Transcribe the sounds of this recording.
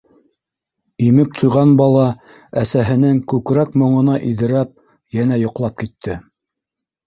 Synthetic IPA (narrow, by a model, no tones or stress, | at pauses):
imɘp̚t̪ʰŏjʁɑnbɑlˠɑ | æsæɦɘ̆nɘŋkʉkɾækmŏɴɤ̆nɑʔiðɘ̆ɾæp̚ | jænæjŏqlˠɑp̚kit̪ʰːɘ